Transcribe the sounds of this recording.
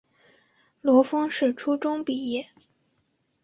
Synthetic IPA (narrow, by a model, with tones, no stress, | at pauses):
lwɔ˧˥fɤ˥ŋʂɻ̩˥˩ʈ͡ʂʰu˥ʈ͡ʂʊ˥ŋpi˨˩jɛ˥˩